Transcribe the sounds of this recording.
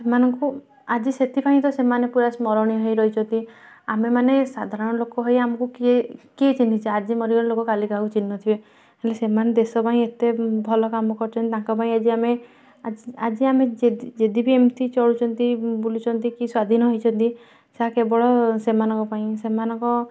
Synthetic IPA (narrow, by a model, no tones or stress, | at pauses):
semanɔŋku | ad͡ʒiset̪ʰipaĩt̪̬ɔsemanepuɾasmɔɾɔɽ̃iɦɔjɾɔɦit͡ʃʰɔnt̪i | amemanesad̪ʱaɾɔɔɽ̃ɔlokɔɦɔjamɔ̃kukiekiet͡ʃinit͡ʃʰiad͡ʒimɔɾiɔɾlokɔkaliɡaut͡ʃinːɔt̪ʰibe | ɦelesemaned̪esɔpaĩet̪ebʱɔlɔkamɔkɔɾt͡ʃʰɔ̃nt̪it̪ãŋkɔp̬aĩad͡ʒiame | ad͡ʒiad͡ʒiamed͡ʒeid͡ʒed̪ibʱiemtit͡ʃɔɽut͡ʃʰɔnt̪ibolut͡ʃʰɔnt̪ikiswad̪ʱinɔɦɔjt͡ʃʰɔnt̪i | seakebɔɭɔsemanɔŋkɔpaĩsemanɔŋkɔ